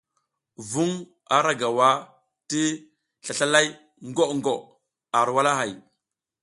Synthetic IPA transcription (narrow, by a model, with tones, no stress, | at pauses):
vu˦ŋ | a˨ɾa˦ɡa˨wa˦ | ti˦ | ɬa˨ɬa˦la˦j | ŋɡo˦ʔŋɡo˨ʔ | a˨ɾwa˦la˦ɦa˨j